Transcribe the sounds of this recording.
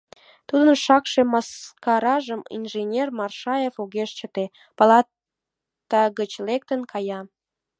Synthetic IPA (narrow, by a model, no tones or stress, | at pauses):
t̪ud̪ənʃɑkʃemɑskɑɾɑʒəmḭnʒenʲermɑrʃɑjefuɣeʃt͡ɕət̪e | pɑlɑ | t̪ɑɣət͡ɕlek̚t̪ənkʰɑjɑ